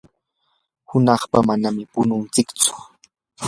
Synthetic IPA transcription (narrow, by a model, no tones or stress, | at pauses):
hʊnɑχpamanamɪpʊnʊnt͡sɪkt͡sʊ̥